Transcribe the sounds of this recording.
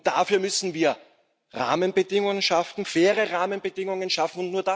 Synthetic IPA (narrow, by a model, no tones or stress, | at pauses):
d̥afyːɐmʏsn̩viːɐ | ʁa̰ːmənbədɪŋʊŋənʃaftn̩fɛːʁəʁaːmənbədɪŋʊŋənʃafn̩ʊntnuːɐd̥a